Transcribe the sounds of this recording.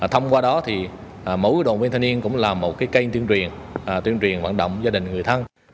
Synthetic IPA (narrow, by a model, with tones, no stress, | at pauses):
t̪ʰə˧wŋ͡mkwaː˧ɗɔ˨˦t̪ʰi˨˩ | mo̰˨˧˦jɗo̰˧˨˩vi˧nt̪ʰa˧ni˧ənkʊ̰˧˥ŋ͡mlaː˨˩mo˨˩t̚kaː˨˦jkə˧jt̪wi˧əŋt͡ɕwi˨˩ən˨˩ | t̪wəŋt͡ɕwi˨˩ənva̰ː˧˨nɗə̰˧˨wŋ͡mzaː˧ɗï˨˩ŋ̟ŋɨ˨˩əjt̪ʰə˧n